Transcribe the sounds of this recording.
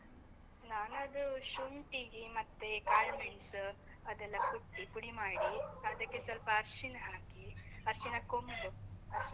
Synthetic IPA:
naːnɐd̪uʃuɳʈiɡimɐt̪ːekaːɭmeɳis | ɐd̪ɛlːɐkuʈːikuɽimaːɽiɐd̪ɐkːesɐlpɐɐɾʃinɐɦaːkiɐɾʃinɐkombu

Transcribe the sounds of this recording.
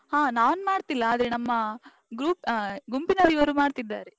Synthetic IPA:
haːnaːʋɐnmaːɽt̪ilːɐːd̪ɾenɐmːɐ | ɡɾuːpɡumpinɐɾiʋɐɾuːmaːɽt̪id̪ːaːɾe

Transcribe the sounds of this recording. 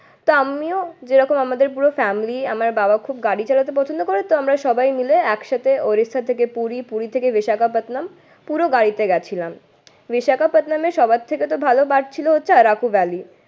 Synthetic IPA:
t̪oamiod͡ʑeɾɔkomamad̪eɾpuɾofɛmilia̰maɾbabakʰubɡaɽit͡ɕalat̪̬epɔt͡ɕʰond̪okoɾet̪oamɾaʃɔbajmileɛkʃat̪ʰeoɾist̪ʰat̪ʰekepuɾipuɾit̪ʰekeviʃakapat̪nam | puɾoɡaɽit̪eɡɛt͡ɕʰilam | biʃakapat̪nameʃɔbat̪ʰːeket̪obʱalobaɾt͡ɕʰiloɦotːɕʰeaɾakubɛli

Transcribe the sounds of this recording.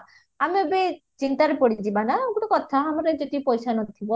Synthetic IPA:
amiobe | t͡ʃint̪aɾepɔɽid͡ʒibanaɡuʈɔkɔt̪ʰaamɔɾed͡ʒod̪ipɔjsanɔt̪ʰibɔ

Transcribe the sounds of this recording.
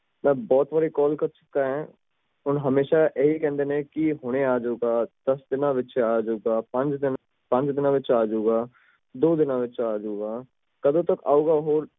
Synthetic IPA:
mɛ̃bɔːt̪ʋaɾikɔːlkɐɾt͡ʃʊ̥kːaɦɛ̃ | ʊnɦɐmeːʃajɐɦikɛ̃ːnd̪enɛ̃kiɦoːñeaːd͡ʒoːɡaːd̪̥ɐsd̪ɪnaʋɪt͡ʃeaːd͡ʒoːɡaːpɐ̃nt͡ʃd̪ɪn | pɐ̃nt͡ʃd̪ɪnãʋɪt͡ʃaːd͡ʒoːɡaː | d̪oːd̪ɪnãʋɪt͡ʃaaːd͡ʒoːɡaː | kɐd̪õt̪ɐka̰ːoːɡaɦoːɾ

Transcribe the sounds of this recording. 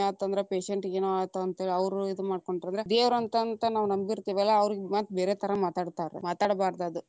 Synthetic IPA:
aːt̪ɐnd̪ɾepeːʃeɳʈeːnuaːt̪ːɐɐnt̪ɦeːɭiɐʋɾuid̪umaːɽko̞ɳʈɾɐnd̪ɾed̪eːʋɾɐnt̪ɐnt̪ɐnaːʋunɐmbiɾt̪iːʋɛlːɐːʋɾiɡmaːt̪beːɾeːt̪ʰɐɾɐmaːt̪aːɽt̪aːɾḛmaːt̪aːɽbaːɾd̪ɐd̪u

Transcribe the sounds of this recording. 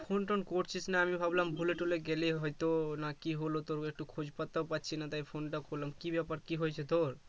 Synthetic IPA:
pʰonʈɔnkoʈt͡ʃʰisnaamibʱablambʱuleʈoleɡeleɦojt̪onakiɦolot̪oɾek̚ʈukʰod͡ʒpət̪ːapat̪ːt͡ʃʰinat̪aipʰonʈakolamkibjapaɾkiɦojt͡ʃʰet̪oɾ

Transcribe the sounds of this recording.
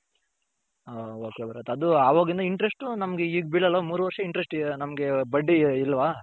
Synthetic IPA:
ooːkebɐɾɐ̰t̪ɐd̪uaːʋoːɡind̪ɐiɳʈɾesʈunɐmɐɡeiːɡbiɭɐlːɐmuːɾuʋɐɾʂɐiɳʈɾesʈnɐmɐɡe̞bɐɖːiːlːɐʋaː

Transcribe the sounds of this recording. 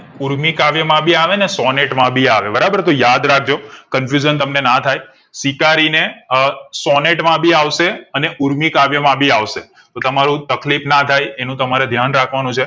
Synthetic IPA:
uɾmikaʋjəmãbʱiaʋenesɔneʈmãbʱiaʋebəɾabəɾt̪ojad̪ɾak̚ʰd͡ʒokənfjud͡ʒənt̪əmnenat̪ʰaj | sikaɾine | sɔneʈmãbʱiaʋʃeəneʔuɾmikaʋjəmãbʱiaʋʃe | t̪ot̪əmaɾũt̪əklipnat̪ʰajenũt̪əmaɾed̪ʱjanɾakʰʋanũt͡ʃʰe

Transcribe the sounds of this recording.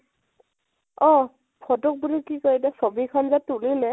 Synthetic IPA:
ɔ̃ | pʰɔtɔk̚bulikikɔɹidɛsɔbikʰanzatulilɛ

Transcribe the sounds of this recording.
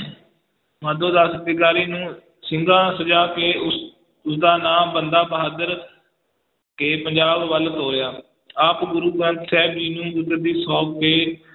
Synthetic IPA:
mãːd̪õːd̪aːsət̪ɪkaːɾiːnũː | sɪŋɡãːsəd͡ʒaːkeːʊ | ʊsd̪aːnaːmbənd̪aːbəɦaːd̪əɾ | keːpəɲd͡ʒaːbʋəlt̪oːɾɪjaː | aːpɡʊɾuːɡə̃nt̪sɛːbd͡ʒiːnũːbʊd̪əɾd̪iːsɔːkkeː

